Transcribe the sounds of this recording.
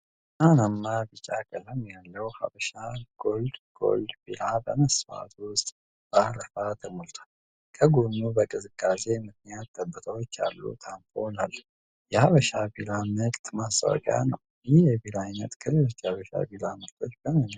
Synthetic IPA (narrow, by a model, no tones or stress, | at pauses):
anamːabɨt͡ʃʼakʼələmjalːəwha̰βəʃaɡ̥o̞ld̪ɡ̥o̞̰ld̪bilabəməsfa̰t̪ʰwʊst̪ʼ | b̥aɾəfat̪ʰəmolt̪ʰḁl | kʰəɡonːubəkʼɨzɨkʼːase̞mɨk̪nijat̪ːəbːət̪ʰəwo̞t͡ʃːa̰lːṵt̪ʰamfʰonalː | jɛhaβəʃabilamɨkʼt̪mast̪ʼa̰w̰kʼja̰nəw | jɪhjɛbilajnət̪kʰɨlɨlot͡ʃːhaβəʃa̰bilamək̚t̪ʰo̞t͡ʃːbəmən